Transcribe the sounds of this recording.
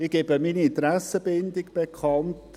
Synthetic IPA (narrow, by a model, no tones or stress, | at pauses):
ɪɡ̥eːbəminiɪnt̪ɾæsəbɪndɪkb̥ekʰɑnt